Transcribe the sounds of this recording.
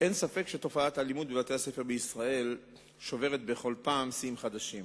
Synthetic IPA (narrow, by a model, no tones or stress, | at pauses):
ʔe̞nsafe̞kʃet̪o̞faat̪halimud̪bevat̪ehase̞fe̞ʁbeisʁae̞l | ʃo̞ve̞ʁet̪beχo̞lpaːmsimχad̪aʃim